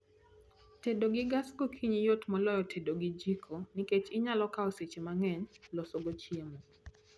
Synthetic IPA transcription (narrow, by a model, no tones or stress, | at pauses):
tedoɡɪɡasɡokʰiɲijotmɔlɔjɔtʰedoɡid͡ʒikʰoniket͡ʃɪɲalɔkaɔset͡ʃemaŋɛnlɔsoɡot͡ʃjemo